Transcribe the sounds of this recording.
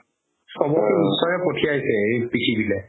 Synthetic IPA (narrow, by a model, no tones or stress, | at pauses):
sɔbɔkuisɔjɛpotʰiajsɛejpitʰibilɛ